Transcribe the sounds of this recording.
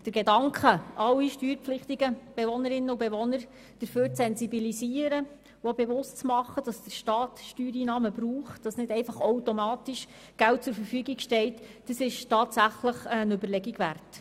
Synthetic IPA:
d̥əɾɡedɑŋkχəʔɑlːiʃtyːɾpflɪχt̪iɡəb̥eʋɔnəɾɪnːəubeʋɔnəɾ | d̥əɾføːɾt͡sɛnzibilisiːəɾə | uobeʋʊstt͡smɑχːəd̥ɑsd̥əɾʃtɑːtʃtyːɾiːnɑːməbɾuːχtd̥ɑsnɪdɛɪfɑχowtomɑːt̪iʃ | ɡ̥ælt̚t͡sʊɾfəɾfyːɡiɡʃtɛltd̥əsɪʃtɑːtsæχləχənøbəɾlɛɡiɡʋært

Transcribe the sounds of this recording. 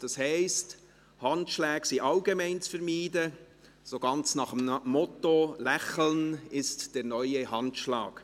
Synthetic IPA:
d̥ɑshɛɪst | hɑntʃlæːɡsiːʔɑlɡemɛɪnt͡sfəɾmiːdə | soɡ̥ɑnt͡snɑχəmːɔtolɛχl̩nɪstd̥ɛːɾnœʏəhɑntʃlɑ̰ːɡ̥

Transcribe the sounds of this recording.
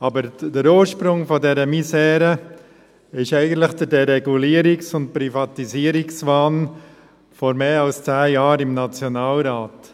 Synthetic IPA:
ɑbəɾd̥əɾoːʃpɾʊŋfɔdɛɾəmisɛːɾə | ɪʃɛɪɡən̩t̪lɪχd̥ədɛɾɛɡuliːəɾɪksʊnt̚pɾifɑtiziəɾɪksvɑːn | fɔɾmeːɑlst͡sæːjɑːɾɪmnɑt͡sjɔnaːlɾaːt

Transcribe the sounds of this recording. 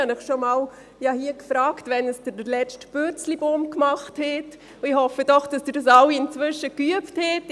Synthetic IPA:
ɑnɪχʃomɑːl | jɑhiəkfɾɑːktvɛnəsd̥əɾlɛt͡ʃtb̥øt͡slibomkmɑχthɛt | ɪhɔfəd̥ɔχd̥ɑsd̥ɪdɑsaʊiɪnt͡svʏʃəkyəpthɛt

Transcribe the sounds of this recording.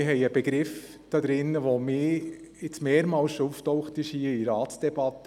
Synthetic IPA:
ɪɦɛɪəb̥əɡ̥ɾɪf | d̥ɑd̪ɾɪnːəʋomɪː | ɪt͡smeːɾmɑːlsʃuftɔʊχtɪʃhiːəiɾɑːtsd̥ɛb̥ɑtə

